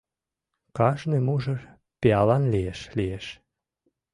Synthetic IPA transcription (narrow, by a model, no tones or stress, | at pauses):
kɑʃnemuʒə | peɑlɑnlieʃlieʃ